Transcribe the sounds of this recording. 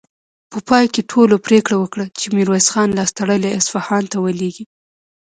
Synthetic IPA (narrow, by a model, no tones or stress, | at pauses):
pəpɑjkeʈʰolopɾekɽawəkɽət͡ʃemiɾwesxɑnlɑst̪aɽəleɪsfahɑnt̪awəleɡi